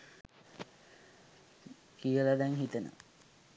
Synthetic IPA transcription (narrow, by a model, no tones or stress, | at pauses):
kijəlad̪ɛŋɦit̪ənə̰